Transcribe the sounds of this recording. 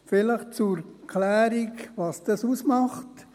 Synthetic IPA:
fɪləχt͡suɾkʰlæːɾikʋɑsd̥ɑsusmɑχt

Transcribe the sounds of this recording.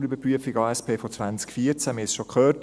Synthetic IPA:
ybəɾpryəfiɡɑːɛspʰeːfɔt͡sʋant͡skfiəɾt͡sæmɪɪsʃɔkχœːt

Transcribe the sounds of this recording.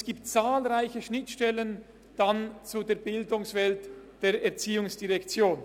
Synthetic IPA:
sɡ̥iːptt͡saːlʁaɪçəʃnɪtʃtɛlən | d̥ant͡sudeːɐbɪldʊŋsv̥ɛltd̥eːɐɛɐt͡siːʊŋsd̥iʁɛkt͡sjoːn

